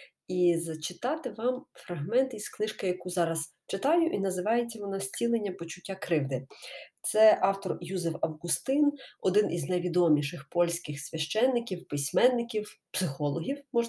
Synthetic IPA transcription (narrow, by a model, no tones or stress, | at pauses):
izɐt͡ʃɪt̪ɑt̪ɪʋɑmfɾɐɦmɛnt̪isklˠɪʃkɐjɐkuzɑɾɐs | t͡ʃɪt̪ɑjʊʔinɐzɪʋɑjet͡sʲːɐʋɔnɑsʲt͡sʲilˠenʲːɐpɔt͡ʃʊtʲːakɾɪwd̪ɪt̪sɛʔɑwt̪ɔrjuzɛwɐwɣʊst̪ɪnɔd̪ɪnʔiznɐjʋʲid̪ɔmʲiʃɪxpɔlʲsʲkɪxsʲʋʲɐʃt͡ʃɛnːɪkʲiwpɪsʲmɛnːɪkʲiwpsɪxɔlˠɔɦʲiwmɔʒ